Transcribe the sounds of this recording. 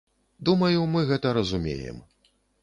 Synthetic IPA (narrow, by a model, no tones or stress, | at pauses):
d̪umɐjumɨɣɛt̪ɐɾɐzumʲḛjɛ̰m